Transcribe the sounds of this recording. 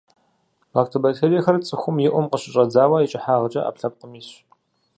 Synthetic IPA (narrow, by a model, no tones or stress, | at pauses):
aktʰɐbɐtʰeːɾijxɐrt͡sʼɨxʷʊmjɪʔʷʊmqəɕɪɕʼɐd͡zaːwɐjɪt͡ʃʼɪħaːʁət͡ʃʼɐ̰ʔa̰ːpɬɐp̚qəmɪɕ